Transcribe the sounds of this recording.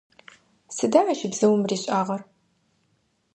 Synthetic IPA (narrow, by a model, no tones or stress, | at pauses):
sɨdaːʕɐʃɪbzɨwmriːɕʼaːʁɐr